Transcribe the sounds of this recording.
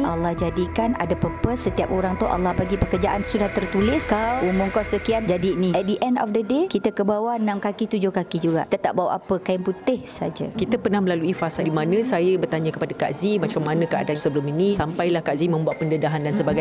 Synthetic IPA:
ʔalahd͡ʒadikana̰dapəpəsət̪iap̚oɾaŋt̪ʊ̰ʔa̰lːahbaɡipəkərd͡ʒaʔansudaht̪ərt̪ulɪskawʔumʊŋkawsəkiand͡ʒadiniɛdiʔɛndɔ̰fdədekit̪əkəbawanãmkakit̪ud͡ʒʊhkakid͡ʒuɡa̰ʔit̪at̪aʔbawa̰ʔapəkajanput̪ɪhsa̰d͡ʒa̰kit̪əpərnahməlaluifasadimanə̃sajəbərt̪aɲakəpadaka̰ʔzimat͡ʃamːanə̃kəa̰dansəbəlʊminĩsampajlahkazimə̃mbuat̪̚pəndədaɦandansəbaɡa

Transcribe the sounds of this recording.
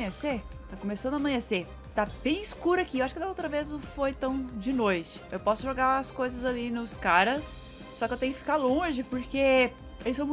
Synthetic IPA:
jeset̪akõmesɐ̃nd̪amɐ̃j̃ese | t̪ab̥ẽj̃ɪskuɾɐakiewaʃʊ̥kɪd̪ɐowt̪ɾɐveznɐ̃w̃fojt̪ɐ̃w̃d͡ʒɪnojt͡ʃɪ̥ewpɔsʊʒoɡaɐskojzɐzalinʊskaɾɐsː | ɔkɪewt̪ẽjʊkɪfi̥kalõʒɪpoɾke | elɪsɐ̃w̃m̃

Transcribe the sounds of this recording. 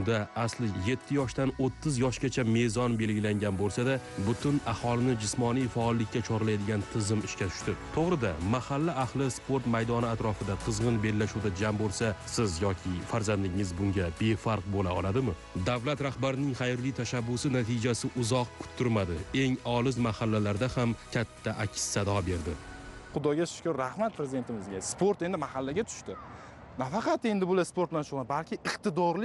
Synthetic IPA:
d̪aaslɪje̞t̪ʰːɪjɒʃt̪anot̪ʰːɪzjɒʃɡʲat͡ʃʰame̞zɒnbe̞lɡʲɪlaŋɡʲanbolˠsad̪abʊt̪ʰʊnahɒlˠɪnɪd͡ʒɪsmɒnijfaɒlˠːɪkʲːat͡ʃʰɒɾlajd̪ɪɡʲant̪ʰɪzɪmɪʃkʲat̪ʰʊ̥ʃt̪ɪt̪ʰoʁɾɪd̪amahalːaahlˠɪspʰo̞ɾt̪majd̪ɒnɪat̪ɾɒfɪd̪aqʰɨzʁɨnbe̞lːaʃuwd̪ad͡ʒambolˠsasɪzjɒkʲʰɪfaɾzand̪ɪŋɪzbʊŋɡʲabe̞faɾq̚bolaɒlˠad̪ɪmɪ | d̪avlat̪ɾahbaɾɪnɪŋχajɪɾlɪjt̪ʰaʃabːʊsɪnat̪ʰɪd͡ʒasɪʔʊzɒq̚kʰʊ̥t̪ʰːʊɾmad̪ɪe̞ŋɒlɪzmahalːalaɾd̪ahamkʲʰat̪ʰːaʔakʲsːad̪ɒbe̞ɾd̪ɪ | χʊd̪ɒɡʲaʃɪ̥kʰʲɔɾɾahmat̪̚pʰɾezɪid̪e̞nt̪ʰɪmɪzɡʲaspoɾt̪e̞nd̪ɪmahalːaɡʲat̪ʰʊ̥ʃt̪ɪ | nafɑqɑt̪e̞nd̪ɪbʊlaspoɾt̪lanʃʰʊʁlˠabalkʲʰɪɨqt̪ɪd̪ɒɾlɪ

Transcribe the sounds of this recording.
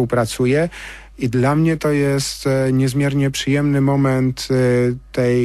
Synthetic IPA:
uwpɾat̪sujɛ | id̪lamɲɛt̪ɔjɛst̪ɲɛzmʲjɛɾɲɛpʂɘjɛmnɘmɔmɛnt̪ː | ɛj

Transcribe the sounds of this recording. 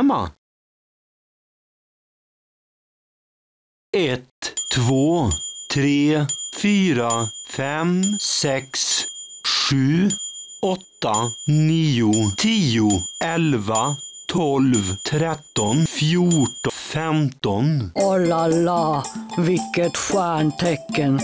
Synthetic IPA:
mɑ̰ | ɛt̪ʰːʋoːt̪ʰɾeːfyːɾəfɛmsɛksʂʉː | ɔt̪əniːʊt̪ʰiːʊʔɛlʋət̪ʰɔlʋt̪ʰɾɛt̪ɔnfjuʈfɛmt̪ɔnɔlɑlɑːʋɪkət̪ʃæːɳʈʰɛkən

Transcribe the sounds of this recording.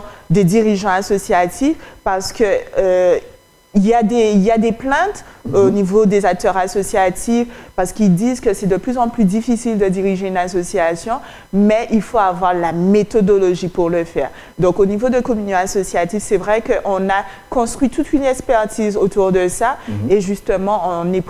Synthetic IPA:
d̪ed̪iʁiʒɑ̃asɔsjat̪ʰifpaʁsə̥kəø | iljad̪eiljad̪eplɛ̃t̪onivod̪ezak̚t̪œʁasɔsjat̪ifpaʁsə̥kild̪izkəsɛd̪əplyzɑ̃plyd̪ifisild̪əd̪iʁiʒeynasɔsiasjɔ̃ | mɛʔilfoavwaʁlamet̪ɔd̪ɔlɔʒipuʁləfɛːʁ | d̪ɔ̃konivod̪əkɔmynjɔ̃asɔsjat̪ifsɛvʁɛkəʔɔ̃na | kɔ̃st̪χwɥit̪ut̪ynɛkspɛʁt̪izot̪uʁd̪əsaeʒyst̪əmɑ̃ɔ̃nɛp

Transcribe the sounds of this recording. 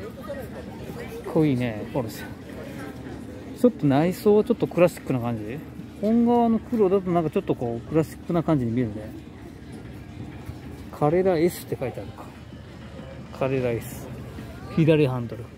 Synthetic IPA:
kkʰːoiːne̞koɾoɕi̥ | t͡ɕo̞t̪ːo̞naiso̞ːβat͡ɕo̞t̪ːo̞kɯ̟ɾaɕi̥kːɯ̟nakãɲ̟d͡ʑi | õ̞ŋɡaβanokɯ̟ɾo̞d̪at̪onãŋkat͡ɕo̞t̪ːo̞ko̞ːkɯ̟ɾaɕi̥kːɯnakãɲ̟d͡ʑiɲ̟imʲieɾɯ̟ne | kʰaɾe̞ɾaesɨ̥t̪ːe̞kait̪eaɾɯkḁ | kʰaɾe̞ɾaesɨ̥ | çid̪aɾʲiɦãnd̪o̞ɾɯ

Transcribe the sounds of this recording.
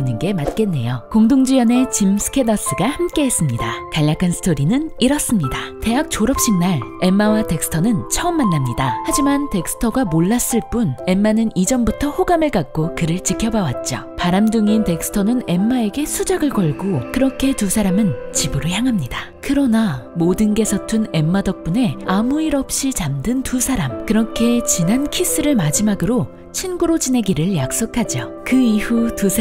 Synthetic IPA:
nːɯnɡe̞mat̚k͈e̞nːe̞̰jokoŋdoŋd͡ʑijʌne̞t͡ɕimsʰɯ̥kʰe̞dʌs͈ɯɡahamk͈e̞ɦes͈ɯmɲidakaʎːakʰansʰɯ̥tʰoɾinɯniɾʌs͈ɯmɲidate̞ak̚t͡ɕoɾʌp̚ɕ͈iŋnaɭe̞mːawate̞k̚s͈ʰɯ̥tʰʌnɯnt͡ɕʰʌʌmːanːamɲidahad͡ʑimante̞k̚s͈ʰɯ̥tʰʌɡamoɭːas͈ɯɭp͈une̞mːanɯnid͡ʑʌmbutʰʌhoɡamɯɭkak̚k͈okɯɾɯɭt͡ɕikʰjʌbawat̚t͡ɕ͈o̰paɾamdɯŋinte̞k̚sʰɯ̥tʰʌnɯne̞mːae̞ɡe̞sʰud͡ʑaɡɯɭkʌɭɡokɯɾʌkʰe̞tusʰaɾamɯnt͡ɕibɯɾojaŋɦamɲida | kɯɾʌnamodɯnɡe̞sʰʌtʰune̞mːadʌk̚p͈une̞amuiɾʌp̚ɕ͈it͡ɕamdɯntusʰaɾamkɯɾʌkʰe̞t͡ɕinankʰis͈ɯɾɯɭmad͡ʑimaɡɯɾo | t͡ɕʰinɡuɾod͡ʑine̞ɡiɾɯɭjak̚s͈okʰad͡ʑo | kɯihutus

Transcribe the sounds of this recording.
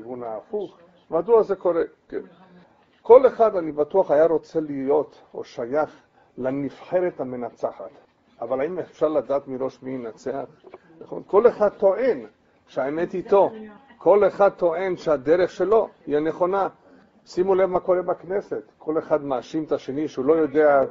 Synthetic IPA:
vunaːfuχ | maduazeko̞ɾeken | ko̞leχad̪anibat̪uaχajaɾo̞t͡selijo̞t̪ | o̰ʃajaχ | lanifħe̞ɾet̪hame̞nat͡saħa̰t̪ | avalaimefʃaʁlad̪aːt̪miɾo̞ʃminat͡sea̰χ | naχo̰nko̞leχad̪̚t̪o̞ʔen | ʃeaemet̪it̪o̞ | kʰo̞leχad̪̚t̪o̞ʔe̞nʃead̪eɾeχʃelo̞iane̞χo̞na | simulevmako̞ɾebakneset̪kʰo̞leχad̪maːʃimet̪aʃe̞niʃeulo̞jo̞d̪ea

